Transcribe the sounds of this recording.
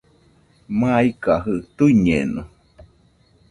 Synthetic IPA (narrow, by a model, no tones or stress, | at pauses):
maikaɦɯt̪uɲḛnu